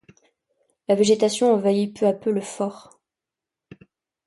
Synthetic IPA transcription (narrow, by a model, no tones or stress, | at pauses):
laveʒet̪asjɔ̃ɑ̃vaipøapøləfɔʁ